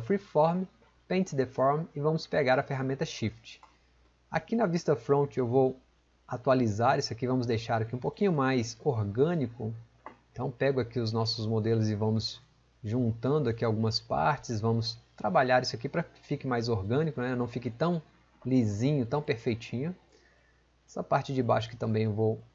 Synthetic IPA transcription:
fɾifɔɾm | pẽnt͡ʃd̪efɔɾmɪvɐ̃mʊspeɡaɾɐfeɦamẽnt̪ɐʃift͡ʃɪ̥ | a̰kinɐvist̪ɐfɾõt͡ʃɪewvow | at̪ualizaɾisʊakivɐ̃mʊzd̪ejʃaɾakiũpokĩɲʊmajsoɾɡɐ̃nikʊ | ẽt̪ɐ̃w̃pɛɡʊakiʊznɔsʊzmod̪elʊzɪvɐ̃mʊz | ʒũnt̪ɐ̃nd̪ʊakiawɡũmɐspa̰ɾt͡ʃɪzvɐ̃mʊst̪ɾabaʎaɾisʊakipɾɐfikɪmajzoɾɡɐ̃nikʊnɛewnɐ̃w̃fikɪt̪ɐ̃w̃ | lizĩɲʊt̪ɐ̃w̃peɾfejt͡ʃĩɲʊ | ɛsɐpaɾt͡ʃɪd͡ʒɪba̰jʃʊ̥kɪ̥t̪ɐ̃mbẽj̃ewvow

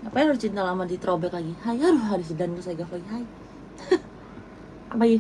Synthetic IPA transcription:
apajaɾʊst͡ʃint̪alamadit̪ɾobɛkaɡihajɦaɾʊsɦaɾis̬idandusaɡaflaɡiɦaj | apai

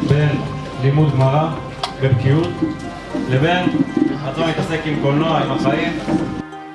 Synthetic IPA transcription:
be̞n | limud̪̚ɡmaʁa | bebkiut̪ | lebe̞nat̪amit̪ase̞kimɡolnoaimaχaim

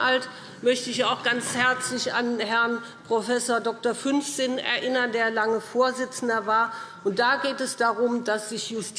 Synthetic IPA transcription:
ʔalt | mœçtəɪçaʊxɡ̥ant͡shɛɐt͡slɪça̰nhɛɐn | pʁ̥ofɛsoːɐdɔk̚toɐfʏnfz̥ɪnɛ̰ɐʔɪnɐndeːɐlaŋəfoːɐzɪt͡sn̩dɐvaːɐʔʊnt̚d̥aːɡeːtɛsd̥aʁʊmdasz̥ɪçjʊstʰ

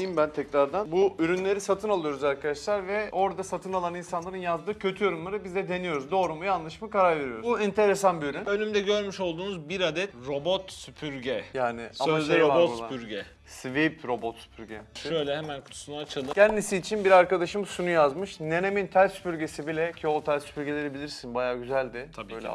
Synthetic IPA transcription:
jimbænt̪ʰɛcɾaɾd̪anbuʔyɾynlʲe̞ɾisat̪ʰɯnalˠɯjo̞ɾuzaɾkʰad̪aʃlˠaɾvɛo̞ɾd̪asat̪ʰɯnalˠaninsanlˠaɾɯnjazd̪ɯːcʰø̞t̪ʰyjo̞ɾunmaɾɯbizd̪ɛd̪e̞nijo̞ɾuzd̪o̞ːɾumujanlˠɯʃmakaɾaɾve̞ɾijo̞ɾuuɛnt̪ʰe̞ɾesanbiyɾynølʲymd̪ɛɟø̞ɾmyʃo̞lˠd̪uːnuzbiɾad̪ɛt̪ɾo̞bot̪sypʰyɾɟɛjaːnɪ̰aaaɾabot̪usˠapyɾɟɛ | svipʰɾo̞bot̪sy̥pʰyɾɟɛʃø̞jlʲɛhemænkʰu̥t̪ʰu̥sunaːt͡ʃʰɯlˠɯænd̪isiːt͡ʃʰinbiɾaɾkad̪aʃɯmsunujazmɯʃne̞nemint̪ʰæɾʲsy̥pyɾɟe̞sibilʲɛcʰiolˠt̪ʰæɾʲspyɾɟelʲe̞ɾibilʲiɾsinbajaːɟyzælʲd̪ɪbøjlʲɛ̰

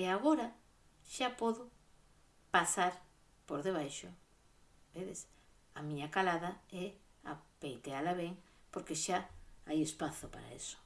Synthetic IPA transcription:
eaɣoɾa | ʃapɔðʊ | pasaɾ | poɾðeβ̞ajʃo | beðes | amiɲakalaðaɛa̰pejt̪ealaβeŋpoɾkeʃaajespaθopa̰ɾa̰ḛso̥

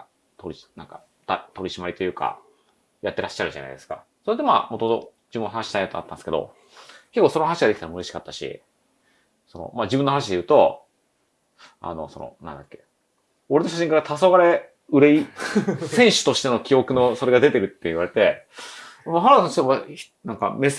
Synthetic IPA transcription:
a | t̪oɾʲinãŋka | t̪at̪o̞ɾʲiɕimaɾit̪o̞jɯ̟ːka̰ | jat̪ːe̞ɾʔaɕːaɾɯ̟ʑa̰na̰id̪e̞sɨ̥ka̰ | soɾet̪ːema̰mot̪omot̪o̰d͡ʑibɯ̃nːɦanaɕi̥t̪aĩat̪oa̰t̪ːãnske̞d̪o̰ | kekːoːsonohanaɕiɡad̪ekʲit̪aɾamɯ̟ɾe̞ɕi̥kat̪ːaɕḭ | sono̞̰mad͡ʑibɯ̟nohanaɕ̬id̪e̞jɯ̟ːt̪o̞ | a̰no̞̰so̞̰no̞̰nã̰nd̪akʲːe̞̥ | o̞ɾeoɕaɕ̬ĩŋkaɾat̪ʰaso̞ɡaɾe̞ | ɯ̟ɾe̞isẽ̞ɰ̃ɕɨ̥t̪o̞ɕi̥t̪e̞no̞kʲio̞kɯ̟no̞so̞ɾe̞ɡad̪e̞t̪e̞ɾɯ̟t̪ːeiβaɾe̞t̪e̞ | maɦaɾaanɕit̪eβa | nãŋka̰me

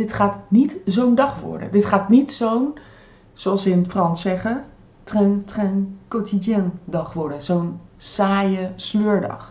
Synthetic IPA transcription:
dɪtχaːtnitzowndɑχʋɔ̰ɹdə̰dɪtχaːtnitsown | z̥oɑlˠsɪnfrɑnsɛχə | trɛntrɛnkowtidjandɑχʋɔɹdəzownsaːjəsløːɹdɑ̰χ

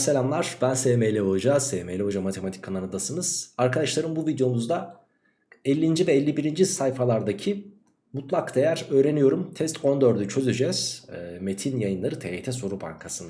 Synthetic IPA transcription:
selʲamlˠaɾ̥bænsemejlʲɛɦod͡ʒazeːmelʲɛɦod͡ʒamat̪ʰemat̪ʰi̥cʰkʰːananɯd̪asɯnɯz̥aɾkad̪aʃlˠaɾɯmbuvid̪jo̞muzd̪a | ɛlʲːind͡ʒivɛːlʲːibiɾind͡ʒisajfalˠaɾd̪acʰi | mut̪lˠakd̪ejæɾø̞ːɾe̞nijo̞ɾumt̪ʰɛst̪ʰo̞nd̪ø̞ɾd̪yt͡ʃʰø̞zyd͡ʒɛz̥me̞t̪ʰinjajɯnlˠaɾɯt̪ʰeet̪ʰɛsoɾuba̰ŋkʰasɯna

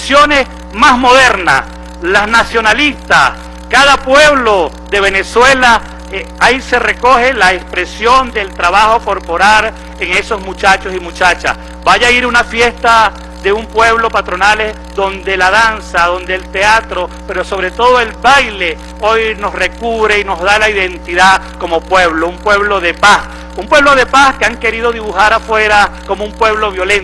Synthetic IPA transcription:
sjo̞ne̞s | mazmo̞ðeɾna̰s | laznasjo̞nalist̪as | kaðapwe̞βlo̞ | ðe̞βe̞neswe̞la | aise̞re̞ko̞xe̞laespɾe̞sjond̪elt̪ɾaβaxo̞ko̞ɾpo̞ɾal | eŋe̞so̞zmut͡ʃat͡ʃosimut͡ʃat͡ʃa̰s | baʝaiɾunafje̞st̪a | ðe̞umpwe̞βlo̞pat̪ɾo̞nale | ðo̞nd̪e̞lað̞ansaðo̞nd̪eːlt̪e̞at̪ɾo̞pe̞ɾo̞so̞βɾe̞t̪o̞ðoe̞lbajle̞ | o̞jno̞sre̞kuβɾeino̞zðalaiðe̞nt̪iða | ko̞mo̞pweβloumpwe̞βlo̞ðe̞pas | umpwe̞βlo̞ðe̞paskeaŋke̞ɾiðo̞ðiβuxaɾafweɾakomoumpwe̞βlo̞βjo̞lent̪

